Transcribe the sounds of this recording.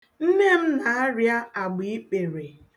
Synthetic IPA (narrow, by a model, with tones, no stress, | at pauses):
n̩˦ne˦m̩˦na˨a˦ɾja˦a˨ɡ͡bi˨˦i˦k͡pe˨ɾe˨